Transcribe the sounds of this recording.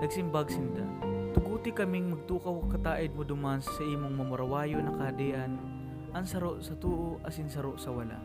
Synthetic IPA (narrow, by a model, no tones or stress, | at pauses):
nɐɡsɪmbaɡsɪnd̪a̰t̪ʊɡuːt̪ɪkɐmɪŋmɐɡ̚t̪uːkɐwɐkɐt̪aːʔɪd̪̚mʊd̪ʊmanssɐʔiːmoŋmɐmʊɾɐwaːjonɐkɐhɐd̪ɛːʔɐn | ʔɐnsɐɾoʔsɐt̪uːʔoʔɐsɪnsɐɾoʔsɐwɐla̰ʔ